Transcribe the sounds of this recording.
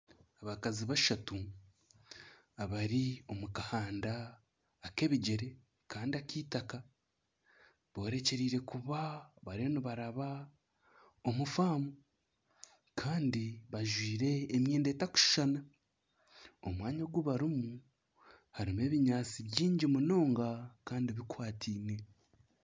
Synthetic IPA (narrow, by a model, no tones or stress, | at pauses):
aβakaziβaʃatu | aβaɾio̞mukahaːndaː | ke̞ːβiɟe̞ɾe̞ | kaːndiakiːtaka | βo̞ːɾe̞ce̞ɾiːɾe̞kuβaβaɾieniβaɾaβa | omufaːmu | kʰaːndiβaʒwiːɾe̞ːmje̞ːndetaku̥ʃi̥ʃana | o̞̰mwaːɲoɡwuβaɾimu | haɾime̞ːβiɲaːt͡siβjiːɲɟimuno̞ːŋɡakaːndiβikwaːtʰiːne̞